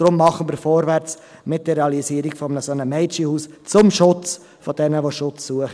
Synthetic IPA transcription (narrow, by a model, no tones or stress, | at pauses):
ɾʊmːɑχənmiːɾfɔːɾʋæɾt͡s | mɪt̚d̥əreɑliziːəɾiɡ̥fɔmənəsonəmɛɪt͡ʃihuːst͡sʊmʃʊt͡s | fɔd̥ɛnəʋoʃʊt͡sːuəχə